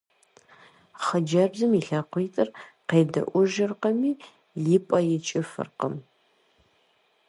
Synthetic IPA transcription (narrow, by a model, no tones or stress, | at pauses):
χəd͡ʒɐbzɨmiɬɐqʷiːtʼɨrqeːdɐ̰ʔʷʊʒɨrqɐmiː | liːpʼɐjɪt͡ʃʼɪfɨ̰rqəm